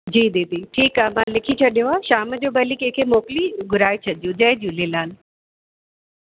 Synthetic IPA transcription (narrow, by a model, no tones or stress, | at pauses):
d͡ʑiːd̪eːt̪iʈʰiːkaːmãːlɪkʰit͡ɕʰɐɗijoaːʃaːməd͡ʑoːbɐlikẽːkʰemoːkliɡʊɾaːit͡ɕʰɐɗijũd͡ʑɐɦd͡ʑjũleːlaːnɪ̆